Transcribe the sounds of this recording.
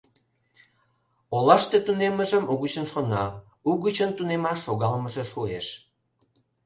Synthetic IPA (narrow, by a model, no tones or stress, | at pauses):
olɑʃt̪et̪uneməʒəmuɣut͡ɕənʃonɑ | uɣut͡ɕənt̪unemɑʃːoɣɑlməʒeʃueʃ